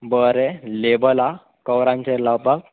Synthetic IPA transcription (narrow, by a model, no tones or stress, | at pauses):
bəɾelebəla | kəwɾãɲt͡ɕelawpak̚